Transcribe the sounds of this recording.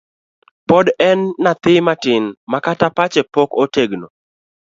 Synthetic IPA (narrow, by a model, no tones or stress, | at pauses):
pɔdɛnːat̪ɪmatɪnmakatapat͡ʃɛpɔkoteɡno